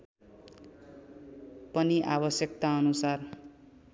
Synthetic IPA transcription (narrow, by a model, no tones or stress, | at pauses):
pʌniʔabʌsjʌk̚t̪aʌnusar